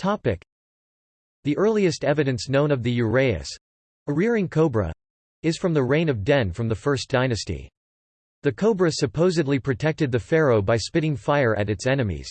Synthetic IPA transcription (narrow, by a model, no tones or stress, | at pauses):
tʰɑpɪk | ðiʔɜ˞lˠiɨstɛvɨɾɨ̃nsnõʊ̃ñʌvðɨjɨɹeɪɨ̰s | əɹɪɹɪ̃ŋkʰoʊbɹɨ̰ | ɨz̥fɹʌ̃mðɨɹẽɪ̃nʌvdɛ̃nfɹʌ̃mðəfɜ˞sd̥ãɪ̃ñɨstḭ | ðɨkʰoʊbɹɨsɨpʰoʊzɨdˡlipʰɹ̥ɨtʰɛk̚tɨd̪̚ðɨfɛɹoʊbaɪspɪɾɪ̃ŋfaɪə˞ʔɨ̰ɾɨtsɛnɨmḭz̥